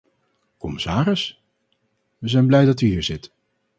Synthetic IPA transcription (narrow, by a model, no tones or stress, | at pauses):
kɔmɪsaːrɪs | ʋəzɛjnblɛjdɑtyɦiːɹzɪt